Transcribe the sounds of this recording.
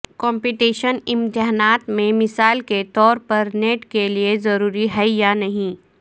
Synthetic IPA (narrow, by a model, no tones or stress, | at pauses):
kɔ̃ːmpiʈiːʃənɪ̃mt̪ɪɦanaːt̪mẽmɪsaːlket̪ɔːɾpɐɾneːʈkeliezɐɾuːɾiɦɛjaːnɐɦĩ